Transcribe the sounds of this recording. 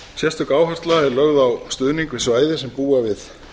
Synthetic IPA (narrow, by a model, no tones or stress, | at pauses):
sjɛst̪ʏkaːwhar̥t̪laɛɾlœɣðawst̪ʏːðniŋkvɪðsvaːjðɪsɛmpuːavɪθ